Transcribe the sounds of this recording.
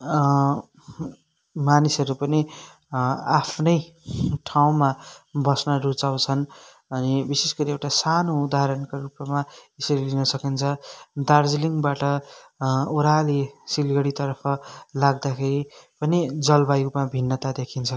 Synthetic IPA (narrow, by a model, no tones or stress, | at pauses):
manisʌɾupʌni | apʰnʌj | ʈʰaw̃mabʌsnʌrut͡saw̃t͡sʰʌn | ʌnibisesɡʌɾiewʈasanoud̪aɦʌɾʌnkorupmaesʌɾilinʌsʌkint͡sʰʌd̪ard͡ziliŋɡbaʈʌ | uɾalesilɡʌɽit̪ʌɾpʰʌlaɡ̚d̪akʰeɾipʌnid͡zʌlbajumabʱinːʌt̪ad̪ekʰint͡sʰʌ